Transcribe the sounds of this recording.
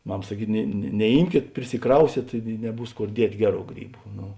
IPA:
ˈmɐm sɐˈkʲiːt nʲɛ nʲɛˈiːmʲkʲeːt pʲrʲɪsʲɪˈkrɐʊsʲeːt ɪ nʲɛˈbuːs ˈkoːr ˈdʲiɛtʲ ˈɡʲæːˌruː ˈɡrʲiːˌbʊ ˈnʊ

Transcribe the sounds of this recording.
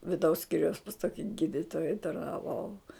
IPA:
ʋʲɪˈdɐʊs ˈsʲkʲiːrʲɛʊs pɐs ˈtoːkʲɪ ˈɡʲiːdʲɪtoːjɛ tɐrnɐˈʋɐʊ

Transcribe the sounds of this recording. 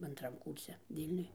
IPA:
ɐnˈtrɐm ˈkuːrʲsʲɛ ˈʋʲiːlʲnʲʊj

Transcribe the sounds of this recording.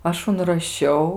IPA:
ˈɐʃ ʊnrɐˈʃʲɛʊ

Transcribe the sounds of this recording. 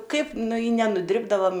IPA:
ˈkɐɪp ˈnʊ ɪ nʲɛnʊˈdʲrʲɪbdɐʋɐm

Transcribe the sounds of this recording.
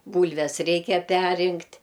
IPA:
ˈbuːlʲʋʲɛs ˈrʲɛɪkʲɛ ˈpʲɛrʲrʲɪŋktʲ

